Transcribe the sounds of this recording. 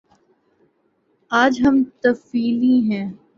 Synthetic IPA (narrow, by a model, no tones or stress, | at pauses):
aːd͡ʒɦɐmt̪ɐfiːliɦɛ̃ː